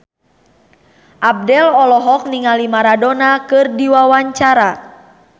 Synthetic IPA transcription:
ʔab̚dɛlɔlɔɦɔk̚niŋalimaɾadɔnakɨrdiwawaɲt͡ʃaɾa

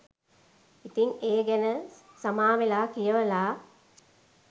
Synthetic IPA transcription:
it̪iŋeːɡɐnɐ | sɐmaːʋilaːkijɐʋɐlaː

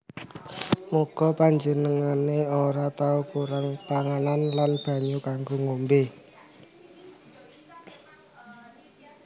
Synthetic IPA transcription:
muɡ̥ɔ̤paɲd͡ʒənəŋaneoɾat̪aukuɾaŋpaŋananlanb̥ä̤ɲukaŋɡoŋombe

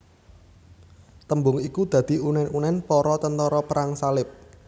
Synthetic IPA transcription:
t̪əmbʊŋikud̪̥ä̤d̪̥i̤unɛnunɛnpɔɾɔt̪ənt̪ɔɾɔpəɾaŋsalɪp̚

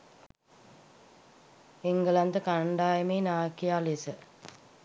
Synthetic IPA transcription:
eŋɡəlant̪əkaɳɖaːjemeːnaːkijaːlesə

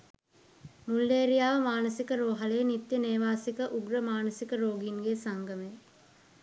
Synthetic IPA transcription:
mulːeːɾijaːʋəmaːnəsikəɾoːɦalejnit̪jəneːʋaːsikəʔuɡɾəmaːnəsikəɾoːɡinɡesaŋɡəme

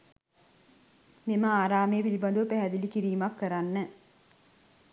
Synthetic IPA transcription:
miməaːɾaːmejːpilibɐnd̪uʋəpæɦæd̪ilikiɾiːmakːəɾanːə

